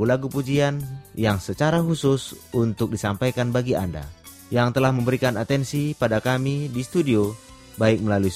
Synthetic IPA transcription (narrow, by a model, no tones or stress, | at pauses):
ulaɡupud͡ʒianjaŋsət͡ʃaɾaɦusʊsunt̪ʊk̚disampajkanbaɡia̰nda̰ | jaŋt̪əlahməmbəɾikanat̪ɛnsipadakamidist̪udio | baɪk̚məlalui